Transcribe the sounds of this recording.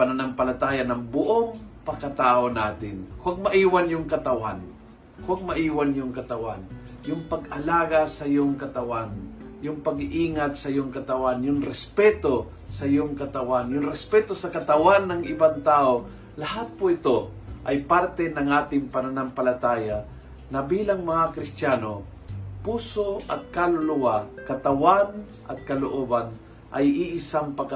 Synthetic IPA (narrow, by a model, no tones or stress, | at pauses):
pɐnɐnampɐlɐt̪aːjanɐŋbʊʔoŋpɐŋkɐt̪aːʔonaːt̪ɪnhwaɡ̚mɐʔiːwanjʊŋkɐt̪ɐwan | hwaɡ̚mɐʔiːwanjʊŋkɐt̪ɐwan | jʊŋpɐɡɐlaːɡasɐjoŋkɐt̪ɐwan | jʊŋpɐɡʔiːŋat̪̚sɐjoŋkɐt̪ɐwanjʊŋɾɛspɛt̪o̞ | sɐjoŋkɐt̪ɐwanjʊŋɾɛspɛt̪osɐkɐt̪ɐwanːɐŋɪbaŋt̪aːo | laɦat̪̚poɪt̪oʔajpaɾt̪ɛnɐŋʔaːt̪ɪŋpɐnanampɐlat̪aːja | nɐbiːlaŋmɐŋakɾɪst̪jaːno | puːsoɐ̰t̪̚kalʊlʊwakɐt̪ɐwan | ʔɐ̰t̪̚kɐloʔoːban | ʔajiʔɪsaŋpaɡ